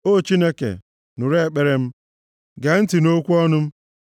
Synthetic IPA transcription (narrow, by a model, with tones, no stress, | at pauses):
o˦˨t͡ʃi˦ne˦kḛ˨ | nʊ˨ɾe˦˨k͡pe˦ɾe˦m̩˦ | ɡe˨n̩˦ti˨no˦kʷu˦ɔ˦nʊ˦m̩˦